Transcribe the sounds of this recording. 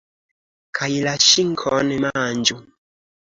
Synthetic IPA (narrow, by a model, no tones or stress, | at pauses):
kʰailaʃiŋkʰɔnɛmand͡ʒu